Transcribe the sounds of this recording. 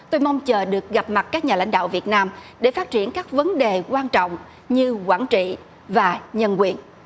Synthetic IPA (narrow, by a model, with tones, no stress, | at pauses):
t̪o˧jma˧wŋ͡mt͡ɕəː˨˩ɗɨ˨˩ək̚ɣa˨˩p̚ma˨˩t̚kaː˦˥k̚ɲaː˨˩la̰˧˥jŋ̟ɗa̰ː˧˨wvi˨˩ət̚naː˧mɗe˧˩faː˦˥t̚t͡ɕi˧˩ənkaː˦˥k̚və˨˦nɗe˨˩kwaː˧nt͡ɕɔ̰˧˨wŋ͡m | ɲɨ˧kwaː˧˩nt͡ɕḭ˧˨ | vaː˨˩ɲə˧nkwi˨˩ən